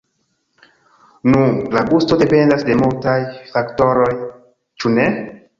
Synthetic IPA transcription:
nulaɡusto̞de̞pe̞ndasde̞multajfakto̞ɾo̞j | t͡ʃune̞

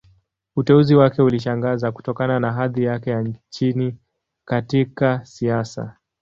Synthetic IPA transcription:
utɛuziwakɛuliʃaŋɡazaku̥tɔkananaɦaðijakɛjaɲt͡ʃini | katikasiasa̰

